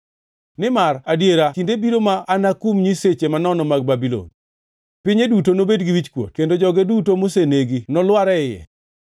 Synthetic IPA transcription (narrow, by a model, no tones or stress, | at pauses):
nɪmaradjeɾatindebiɾomaːnakumɲiset͡ʃemanɔnɔmaɡ̚babilo̰n | pɪɲedutonobedɡiwit͡ʃkwo̰t̚kendod͡ʒɔɡedutomoseneɡinɔlwaɾɛɪjɛ̰